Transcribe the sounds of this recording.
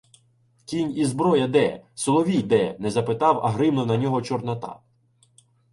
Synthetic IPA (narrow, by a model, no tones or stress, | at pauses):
kʲinʲizbɾɔjɐd̪ɛsɔlˠɔʋʲijd̪ɛnɛzɐpɪt̪ɑwɐ̰ɦɾɪmnɔnɐnʲɔɦɔt͡ʃɔrnɐt̪ɑ̰